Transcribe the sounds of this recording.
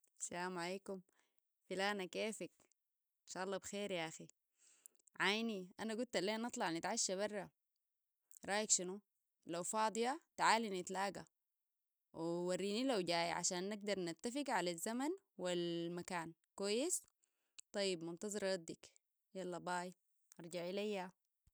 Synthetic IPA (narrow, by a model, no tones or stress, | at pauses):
salaːmʕaleːkum | filaːnakeːfik | ɪnʃaːʔɑlˤːɑːbxeːɾjaʔaxi | ʕajniʔanaɡult̪alːeːnɑt̪ˤlɑʕnit̪ʕaʃːaβɑrˤːɑ | ɾˤɑːjikʃinu | lawfɑːd̪ˤɨjat̪ʕaːlinit̪laːɡa̰ | wiwarːiːnilawɟaːjʕa̰ʃaːnːaɡ̚d̪ɑɾˤnat̪ːafiɡʕalazːaman | wilmakaːnkwajːis | t̪ˤɑjːibmʊnt̪ɑzˤɑɾˤɑd̪ːik | jalːɑbaːj | ʔɑɾˤɟaʕilajːa